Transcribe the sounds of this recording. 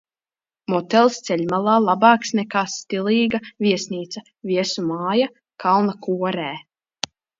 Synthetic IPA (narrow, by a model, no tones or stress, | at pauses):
mɔt̪ɛlˠst̪sɛʎʲmalˠaːlˠabɑːksnɛkaːst̪ilˠiːɡaviɛsniːt̪sɐ | vʲiɛsumaːja | kʰalˠnakuɔɾæː